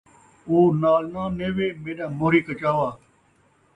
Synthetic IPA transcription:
oːnaːlnãːneːʋeːmẽːɗãːmoːɾiːkət͡ʃaːʋaː

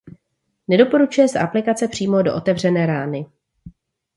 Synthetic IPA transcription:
nɛdo̞po̞ɾut͡ʃujɛsɛʔaplɪkat͡sɛpr̝̥iːmo̞do̞ʔot̪ɛvr̝ɛnɛːɾaːnɪ

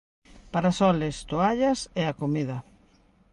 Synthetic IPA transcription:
paɾasɔlest̪oaʎɐsɛakomiðɐ

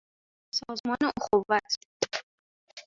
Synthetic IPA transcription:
sɒːzmɒːneoxovːæt̪ʰ

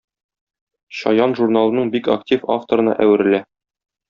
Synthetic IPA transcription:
ɕɒ̰jɑnʒurnalˠɤnɤɴbika̰ktʲifa̰ft̪oɾɤ̆nɑ̰ʔæwɘ̆ɾɘ̆læ

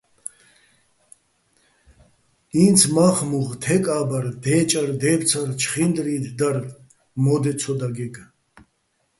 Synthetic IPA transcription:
int͡sʰmaχmuʁt̪ʰɛkʼaːbaɾd̪ɛːt͡ʃʼaɾd̪ɛːpt͡sʰaɾt͡ʃʰχind̪ɾid̪d̪aɾ | mɔd̪ɛt͡sʰɔd̪aɡɛkʼ

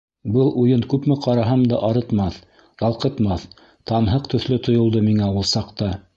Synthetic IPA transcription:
bɤlˠujɤnkʉpmɘqɑɾɑɦɑmd̪ɑʔɑɾɤ̆t̪mɑθ | jɑlˠqɤ̆t̪mɑθ | t̪ɑnɦɤqt̪ɵ̆θlɘt̪ŏjŏlˠd̪ɤmiŋæwɤlˠsɑqt̪ɑ

